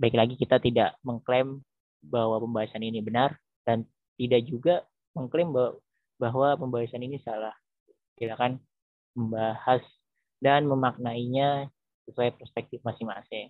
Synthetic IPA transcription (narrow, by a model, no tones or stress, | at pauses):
baiklaɡikit̪at̪idaʔməŋklɛm | bahwapəmbaɦasaninibənar | d̥an | t̪idak̚d͡ʒuɡa | məŋklɛmb | baɦwapəmbaɦasaninisalah | kilakan | məmbahas | danməmak̚naiɲa | səsuajapərspɛk̚t̪ɪfmasɪhma̰sɪŋ